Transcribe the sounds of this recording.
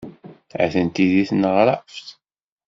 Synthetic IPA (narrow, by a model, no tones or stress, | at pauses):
æ̰θənt̪iðiθnəʁɾafθ